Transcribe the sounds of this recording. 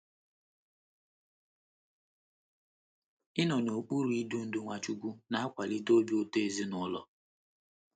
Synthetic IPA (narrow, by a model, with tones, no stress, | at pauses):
ɪ˦nɔ˨no˨k͡pu˦ɾu˨˦i˦du˦n̩˨du˦ŋʷa˨t͡ʃu˦ɡʷu˦na˦a˦kʷa˨li˦do˦bi˦o˦te˦e˨zi˦nʊ˦lɔ̰˨